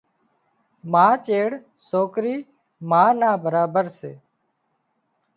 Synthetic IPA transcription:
maːt͡ʃeːɽ | soːkɾiː | maːnaːbəɾaːbəɾsḛː

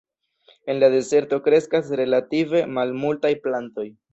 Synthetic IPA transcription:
e̞nlade̞ze̞ɾto̞kɾe̞skasɾe̞lative̞malmultajplanto̞j

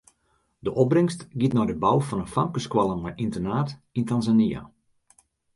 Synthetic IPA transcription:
dəʔɔbrɪŋstɡitnɔjdəbawfɔnənfamkəskwalˠəmɛjʔintənaːtintanzania̰

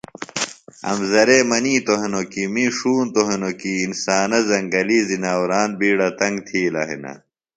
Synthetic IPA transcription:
ɐ̰mzɐɾeːmɐniːt̪oɦenokimiʂuːnt̪oɦenokiːnsaːnɐzɐŋɡɐlizinaːwɾaːnbiːɽɐt̪ɐŋɡt̪ʰiːlɐ̰ɦḭnɐ̰

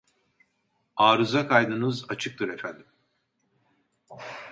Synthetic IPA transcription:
aːɾuzakʰajd̪ɯnɯzat͡ʃʰɯk̚t̪ʰɯɾe̞fænd̪im

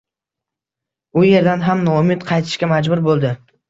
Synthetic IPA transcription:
ʊje̞ɾd̪anɦamnɒʊmɪt̪qʰɑjt̪ʰɪ̥ʃkʲamad͡ʒbʊɾbolˠd̪ɪ

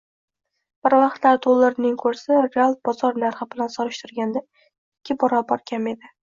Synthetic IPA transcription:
b̥ɪɾvɑχt̪laɾd̪ʰolˠːɪɾnɪŋkʰɵɾsɪɾealˠt̪̚bɒzɒɾnaɾχɪbɪlansɒɾɪʃt̪ɪɾɡʲand̪a | ɪkʲʰːɪbɒɾɒbɒɾkʲʰame̞d̪ɪ

